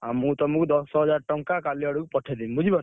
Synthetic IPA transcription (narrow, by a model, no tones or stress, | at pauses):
amũt̪ɔmukud̪ɔsɔɦɔd͡ʒaɾʈɔŋkakaliɔɽukpɔʈʰɛd̪imbud͡ʒibɔn